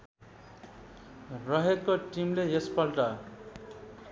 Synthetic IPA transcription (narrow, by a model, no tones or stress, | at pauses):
rʌɦekːoʈimleespʌlʈʌ